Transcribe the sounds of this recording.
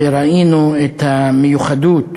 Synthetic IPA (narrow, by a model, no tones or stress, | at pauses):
ɾˤaʔiːnuet̪amɪjuxad̪uːt̪